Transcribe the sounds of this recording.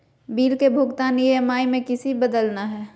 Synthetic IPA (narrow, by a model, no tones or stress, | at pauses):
biːlkebʱʊɡt̪aːnijəmaːimẽkɪsibɐd̪əlnaɦɛː